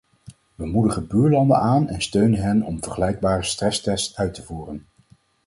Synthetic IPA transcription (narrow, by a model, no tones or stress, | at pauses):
ʋəmudəχəbyːɹlɑndənaːnɛnstøɥnənɦɛnɔmvəɹχəlɛjɡ̚baːrəstrɛstɛstœɥtəvuːrən